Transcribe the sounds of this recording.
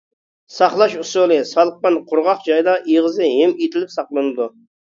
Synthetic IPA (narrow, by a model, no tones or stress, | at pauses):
sɑχlˠɑʃusolˠɨsɑlˠəq̚pɑnqʰʊɾʁɑqd͡ʒɑjd̪ɑʔiʁəzɨɦemit̪ʰɪlɪpsɑqlˠɨnɨd̪u